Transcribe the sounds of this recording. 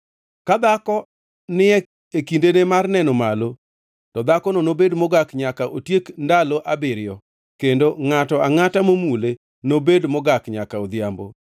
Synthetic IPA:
kad̪akɔ | nɪɛ | ekindenemarnɛnɔmalo | tɔd̪akɔnonobedmɔɡakɲakaʔotjekndaloʔabɪɾɪjɔ | kendoŋatɔaŋatamomule | nobedmɔɡakɲakaod̪jambo̰

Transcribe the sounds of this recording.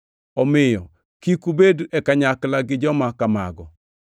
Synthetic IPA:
ɔmɪjɔ | kikubeduɛkaɲaklaɡɪd͡ʒɔmakama̰ɡɔ̰

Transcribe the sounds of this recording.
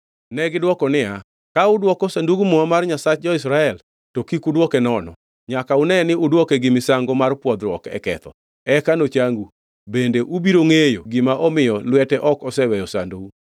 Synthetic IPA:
nɛɡɪdwɔkɔnɪa | kaʊdwɔkɔsanduɡumɔamarɲasat͡ʃ̚d͡ʒɔɪs̬ɾaɛl | tokikudwɔkɛnɔnɔ̰ | ɲakaʊnɛnɪʔʊdwɔkɛɡɪmɪsaŋɡɔmarpwɔd̪ɾwɔkɛ̰kɛ̰t̪ɔ̰ | ɛkanot͡ʃaŋɡu | bendeʔubiɾoŋejoɡɪmaʔɔmɪjɔlwɛtɛʔɔkɔsɛwɛjɔsa̰nduɡu

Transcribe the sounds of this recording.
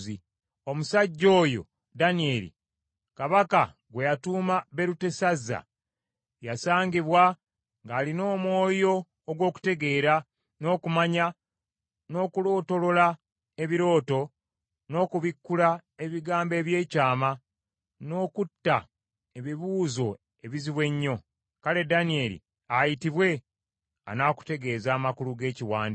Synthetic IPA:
zi | o̞musaɟːo̞ːjo̞̰ | danie̞lḭ | kaβaka | ɡwe̞jatuːmaβe̞ɾute̞sazːa̰ | jasaːɲɟiβwa | ŋɡaːlino̞ːmwo̞ːjo̞ː | ɡwo̞ːku̥te̞ɡe̞ːɾa | no̞ːkumaɲa | no̞ːkulo̞ːto̞lo̞la | e̞βiɾo̞ːto̞ | no̞ːkuβikːulae̞βiɡaːmbe̞ːβje̞ːcaːma | no̞ːkutːa | e̞βiβuːzo̞ | e̞βiziβwe̞ɲːo̞ | kale̞danie̞lḭ | ajitiβwe̞ | a̰naːku̥te̞ɡe̞ːzaːmakuluɡe̞ːciwaːndi

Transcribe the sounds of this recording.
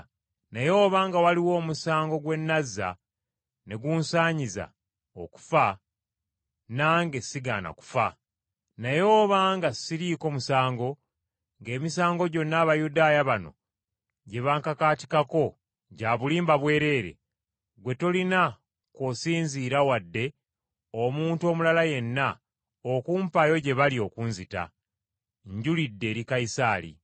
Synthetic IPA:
najo̞ːβaːŋɡawaliwo̞ːmusaːŋɡo̞ɡwe̞nːazːa̰ | ne̞ɡuːnsaːɲiza̰ | o̰ku̥fa | naːŋɡe̞siɡa̰ːna̰ku̥fa̰ | najo̞ːβaŋɡasiɾiːko̞ːmusaːŋɡo̞ | ŋɡe̞ːmisaːŋɡo̞ɟo̞nːaːβajudaːjaβano̞̰ | ɟe̞βaːŋkakaːti̥kako̞ | ɟaːβuliːmbaβwe̞ːɾe̞ːɾe̞̰ | ɡwe̞tolina | kosiːnziːɾawadːe̞ | omuːntuo̞ːmulalaje̞nːa | okuːmpajo̞ɟe̞βalio̞kunzita̰ | ɲɟulidːe̞ːɾikaisaːlḭ

